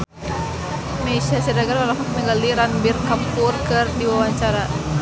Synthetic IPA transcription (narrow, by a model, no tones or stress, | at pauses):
meisiasɛdaɡarwalafak̚nəŋɡaliɾanbirkampʊrkɨrdiwawaɲt͡ʃaɾa